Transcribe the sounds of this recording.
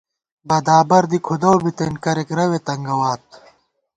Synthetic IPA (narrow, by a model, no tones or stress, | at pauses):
bɐd̪aːbɐɾd̪ikʰud̪owbit̪enkɐɾekɾɐwet̪ɐŋɡɐwaːt̪̚